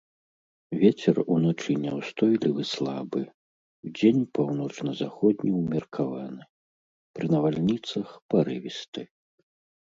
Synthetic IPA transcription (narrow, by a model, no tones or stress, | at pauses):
vʲet͡sʲɛrunat͡ʂɨnʲɛwst̪ɔjlʲivɨslˠabɨ | wd͡zʲenʲpawn̪ɔt͡ʂnɐzaxɔd̪ʲnʲiwmʲɐrkʰavanɨ | pɾɨnɐvalʲnʲit̪sɐxpɐɾɨvʲist̪ɨ